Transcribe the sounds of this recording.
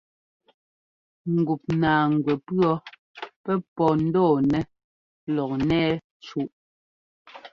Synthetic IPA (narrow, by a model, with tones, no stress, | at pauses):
ŋ̩˨ɡu˨p̚naː˨ŋ˨ɡwɛ˨pɰɔ˦ | pɛ˦pɔ˨n̩˦dɔː˦˨nɛ˦ | lɔ˨k̚nɛː˦ | t͡ʃu˨ʔ